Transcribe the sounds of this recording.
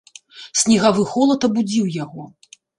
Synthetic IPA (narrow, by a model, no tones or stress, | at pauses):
sʲnʲiɣavɨxɔlˠɐt̪ɐbud͡zʲiwjaɣɔ